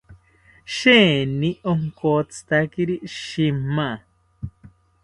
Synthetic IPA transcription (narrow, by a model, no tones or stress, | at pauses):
ʃenĩoŋkot͡sɨ̥t̪akiɾiʃima